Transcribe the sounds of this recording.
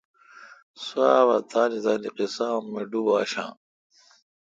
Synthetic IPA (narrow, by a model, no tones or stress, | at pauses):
suaːβɐt̪ʰaːnizaːliqisaːmːeɖubaːɕã̰ː